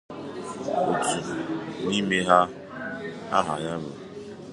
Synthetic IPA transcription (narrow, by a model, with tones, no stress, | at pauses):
o˨tu˨ni˦me˦ɦa˦ | a̰˦ɦa̰˨ja˦bʊ˨